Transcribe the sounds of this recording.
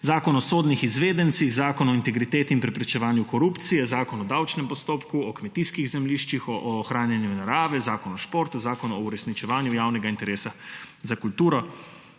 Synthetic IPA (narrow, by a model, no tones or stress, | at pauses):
zaːkɔnɔsoːd̪nixizʋeːd̪ɛnt̪siɣzaːkɔnɔint̪ɛɡɾit̪eːt̪iinpɾɛpɾɛt͡ʃɛʋaːnjukɔɾuːpt̪sijɛzaːkɔnɔd̪awt͡ʃnɛmpɔst̪oːpkuɔkmɛt̪iskiɣzɛmliːʃt͡ʃixɔʔɔxɾaːnjanjunaɾaːʋɛzaːkɔnɔʃpoːɾt̪uzaːkɔnuɔuɾɛsnit͡ʃɛʋaːnjujaːwnɛɡaint̪ɛɾeːsa | zakult̪uːɾɔ